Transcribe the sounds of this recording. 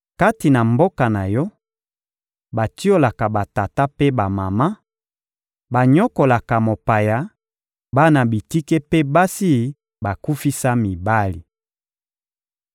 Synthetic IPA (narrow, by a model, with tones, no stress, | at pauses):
ka˦ti˨na˨mbo˦ka˨na˨jɔ˦ | ba˨ti˦o˦la˨ka˨ba˨ta˨ta˦pe˦ba˨ma˨ma˦ | ba˨ɲɔ˦ko˨la˨ka˨mo˨pa˨ja˨ | ba˦na˨bi˨ti˦ke˦pe˦ba˦si˦ | ba˨ku˦fi˦sa˦mi˨ba˦li˨